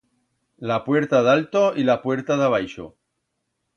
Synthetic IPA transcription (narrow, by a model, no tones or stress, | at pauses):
lapweɾt̪aðalt̪oilapwe̞ɾt̪aðaβ̞ajʃo̰